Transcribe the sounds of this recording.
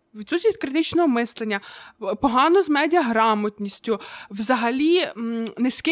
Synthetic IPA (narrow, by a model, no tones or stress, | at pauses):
ʋʲit̪susʲisʲtʲkɾɪt̪ɪt͡ʃnɔɦɔmɪslˠenʲːɐpɔɦɑnɔzmɛdʲiɐɦɾɑmɔt̪ʲnʲisʲtʲʊwzɐɦɐlʲineskʲi